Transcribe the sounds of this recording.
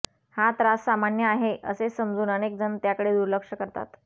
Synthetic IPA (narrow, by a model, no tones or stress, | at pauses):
hat̪ɾasːamanjəaɦeʔə̰sesəmd͡zuːnənek̚d͡zənt̪jakəɽed̪uɾləkʂəkəɾt̪a̰t̪